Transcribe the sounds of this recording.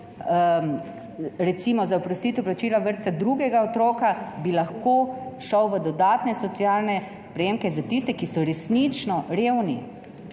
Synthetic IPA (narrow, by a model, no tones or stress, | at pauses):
ɾɛt̪simɔzaopɾɔst̪it̪ɔwplat͡ʃiːlaʋəɾt̪sad̪ɾuɡɛɡaot̪ɾoːkabilaxkoːʃɔwʋəd̪ɔd̪aːt̪nɛsɔt̪siaːlnɛ | pɾɛjeːmkɛzat̪ist̪ɛkisɔɾɛsnit͡ʃnɔɾeːwni